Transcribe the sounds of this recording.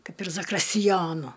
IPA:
ˈkɐɪp ɪr zɐkrʲɪsʲtʲɪˈjoːnʊ

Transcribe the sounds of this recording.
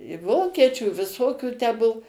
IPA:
ɪ ˈʋoːkʲiɛt͡ʃʲuː ɪ ʋʲɪˈsoːkʲuː tʲæː ˈbuɔ

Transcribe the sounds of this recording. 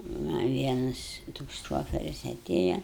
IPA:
ˈmɐ ˈʋʲiɛnɐs toːks ˈʃoːfʲɛrʲɪs ɐˈtʲeːjɛ

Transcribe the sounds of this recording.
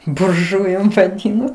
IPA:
bʊrˈʒʊjʊm ʋɐˈdʲiːnoː

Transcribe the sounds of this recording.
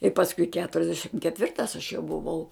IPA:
ɪ pɐsˈkʊɪ kʲɛtʊrʲɛzʲˈdʲæːʃʲɪm kʲɛtʲˈʋʲɪrtɐs ɐʃ jɛʊ bʊˈʋɐʊ

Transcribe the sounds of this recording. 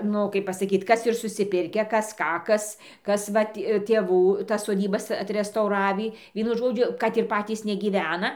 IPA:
ˈnʊ kɐɪp pɐsɐˈkʲiːt ˈkɐs ɪr sʊsʲɪˈpʲɪrʲkʲæː ˈkɐs ˈkɑː ˈkɐs ˈkɐs ˈʋɐt tʲeːˈʋuː tɐs soːˈdʲiːbɐs ɐtʲrʲɛstɐʊˈrɑːʋʲiː ˈʋʲiɛnʊ ˈʒoːd͡ʒʲʊ kɐt ɪr ˈpɑːtʲiːs nʲɛɡʲiːˈʋʲæːnɐ

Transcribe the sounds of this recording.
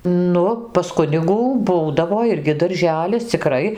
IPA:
ˈnʊ pɐs ˈkʊnʲɪɡuː ˈbuːdɐʋoː ˈɪrʲɡʲɪ dɐrʲˈʒʲæːlʲɪs t͡sʲɪˈkrɐɪ

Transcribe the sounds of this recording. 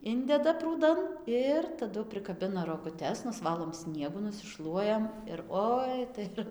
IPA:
ˈɪnʲdʲɛdɐ pruːˈdɐn ˈɪr tɐˈdʊ pʲrʲɪkɐˈbʲɪnɐ roːɡʊˈtʲɛs nʊsˈʋɑːlˠoːm ˈsʲnʲiɛɡʊ nʊsʲɪˈʃlˠuɔjɛm ɪr ˈoːɪ tɐɪ ˈɪr

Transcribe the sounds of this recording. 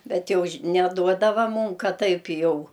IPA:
ˈbʲɛt ˈjɛʊ ʃʲ nʲɛˈduɔdɐʋɐ ˈmuːm ˈkɐt ˈtɐɪp ˈjɛʊ

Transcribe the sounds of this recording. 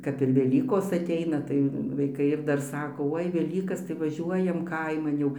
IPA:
kɐp ɪr ʋʲɛˈlʲiːkoːs ɐˈtʲɛɪnɐ tɐɪ ʋɐɪˈkɐɪ ɪr ˈdɐr ˈsɑːkoː ˈoːɪ ʋʲɛˈlʲiːkɐs tɐɪ ʋɐˈʒʲuɔjɛm ˈkɐɪmɐn jɛʊ

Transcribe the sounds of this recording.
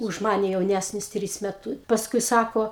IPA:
ʊʃ ˈmɑːnʲɛ jɛʊˈnʲæsʲnʲɪs ˈtʲrʲiːs mʲɛˈtʊ pɐsˈkʊɪ ˈsɑːkoː

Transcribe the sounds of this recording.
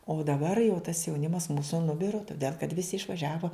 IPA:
oː dɐˈbɐr jɛʊ tɐs jɛʊˈnʲɪmɐs ˈmuːsʊ nʊˈbʲɪroː toːˈdʲeːlˠ kɐt ˈʋʲɪsʲɪ ɪʃʋɐˈʒʲæːʋoː

